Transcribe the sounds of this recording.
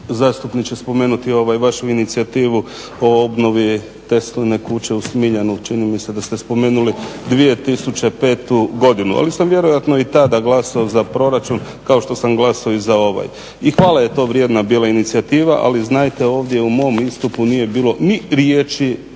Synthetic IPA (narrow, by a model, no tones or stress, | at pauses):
zaːst̪upnikt͡ɕe̞spo̞me̞ːnut̪io̞ʋajʋaʃuinit̪siat̪iːʋu | o̞obno̞ʋi | t̪e̞st̪ojne̞kut͡ɕe̞usmiʎanut͡ʃinimise̞d̪ast̪espo̞me̞ːnulid̪ʋie̞t̪isut͡ɕe̞pe̞ːt̪uɡo̞d̪inua̰lisamʋje̞ɾojat̪no̞it̪ad̪aɡlˠasaozapɾo̞ɾat͡ʃun | kao̞ʃt̪o̞samɡlˠasaoizao̞ʋa̰j | ixʋaːlˠaje̞t̪o̞ːʋɾje̞d̪nabiːlainit̪siat̪iːʋaʔa̰liznajt̪e̞o̞ːʋd̪je̞umo̞mist̪upunije̞biːlˠo̞niɾjeːt͡ʃi